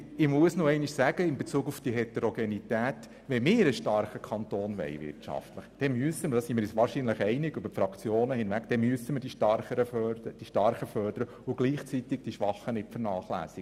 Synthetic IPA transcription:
ɪmuəsnoɛɪnɪʃsæɡ̥əɪnbet͡suːɡufd̥iɦɛt̪ɛɾoɡenitæːt | ʋɛmɪɾəʃtɑɾχəkʰɑntoːnʋɛ̰ɪʋɪ̰ɾtt͡ʃɑ̰ftləχd̥ɛmyəsəməd̥ɑːsimɪɾjɛt͡sʋɑːɾʃinləχɛɪnɪɡʏbəɾfɾɑkt͡sjoːnəhɪnʋækd̥ɛmyəsəməɾd̥iʃtɑrχəɾəfœd̥iʃtɑɾχəfœrd̥əɾə | ʊɡ̥liːχt͡sit̪ɪɡ̚d̥iʃʋɑχənɪtfəɾnɑːχlæ̰ːsɪɡ

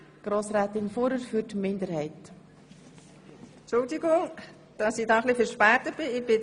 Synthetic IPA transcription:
ɡ̥ɾoːsɾæːt̪ɪnfoːɾəɾfyɾtmɪnd̪əɾhɛɪt | t͡ʃʊldiɡʊŋ | d̥ɑsɪdɑχlifəɾʃpæːtət̚b̥ɪɪb̥ɪ

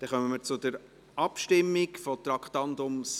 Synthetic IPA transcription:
d̥ɛχœməməɾt͡sʊdəɾ | ɑpʃtɪmːɪkfɔt̪ɾɑkχt̪ɑnd̪ʊms

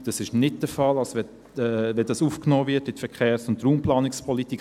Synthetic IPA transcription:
d̥ɑsɪʃnɪt̚d̥əfɑlɑlsʋɛ | vɛdɑsuːfknoːvɪtɪtfɛkʰeːɾsʊntɾuːmplɑːnɪkspʰɔlitik

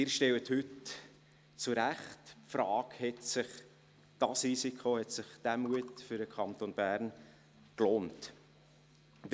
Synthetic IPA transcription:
ɪːɾʃtɛwəthʏt | t͡suɾæχtpfɾɑːkhɛtsɪχ | d̥ɑsrisikʰχohɛtsɪχd̥æmuətfʏɾdəkʰχɑnt̪onb̥æːrn | kloːnt | d

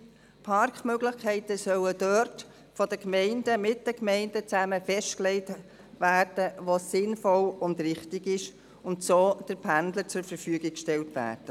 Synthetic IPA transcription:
pʰɑɾkχmøɡlɪχkʰɛɪtəsœwəd̥øɾt | fɔd̥əkmɛɪndəmɪt̚d̥əkmɛɪndət͡sæməfɛʃtklɛɪt | ʋæːrd̥əʋosɪnfɔlʊndɾɪχtɪɡɪʃ | ʊntsoːd̥əɾpʰændlət͡sʊɾfəɾfyəɡɪk̚kʃtɛltʋæ̰ːrd̥ə

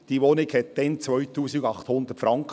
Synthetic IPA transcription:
d̥iːʋonɪɡhɛt̚d̥̪ɛnt͡sʋœʏtuːsɪɡɑχt̪hʊnd̪ətfɾʔɑŋk

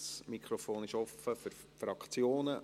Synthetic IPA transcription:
smikχɾofoːnɪʃɔfəfʏɾ | fɾɑkt͡sjoːnə

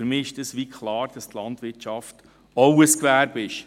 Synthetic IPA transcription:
yɾmiːɪʃdɛsʋikʰlɑːɾd̥ɑstlɑndʋɪt͡ʃɑft | ɔwəskʋæːɾbɪʃ

